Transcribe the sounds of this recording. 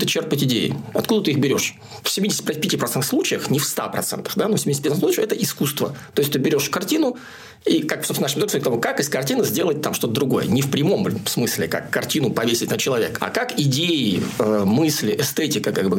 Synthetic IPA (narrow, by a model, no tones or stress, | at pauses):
t̪ət͡ɕerpətʲɪdʲejɪ̰ɐt̪kud̪ət̪ɨixbʲɪɾʲo̞ʂ | fsʲɪmʲidʲɪsʲɪt̚ʲpɾt̚ʲpʲɪtʲipɾɐt̪ɛnt̪əxslˠut͡ɕɪjəxnʲɪfst̪a̰pɾɐt̪sɛ̰nt̪ə̥xd̪anofsʲɪmʲidʲɪsʲt̚ʲpʲːt̪sut͡ɕɪxɛt̪əɪskust̪vət̪oɪsʲt̪ʲɨbʲɪɾʲo̞ʂkɐrtʲinʊ | ikaksopsnaʂmʲɪzoksʲk̪t̪ɐvokakɨskɐrtʲinəzʲdʲe̞lˠət̚ʲt̪amʂt̪o̞t̪əd̪ɾʊɡo̞jə̰nʲɪfpɾʲɪmo̞msmɨsʲlʲɪ̰ka̰kːɐrtʲinʊpɐvʲesʲɪt̚ʲnət͡ɕɪlˠɐvʲeka̰kakɪdʲeɪəmɨsʲlʲɪʔɛst̪ɛtʲɪkəkaɡbɨ